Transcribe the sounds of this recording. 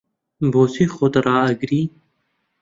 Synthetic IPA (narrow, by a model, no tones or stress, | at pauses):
boːsixot̪ɾaːɐɡɾiː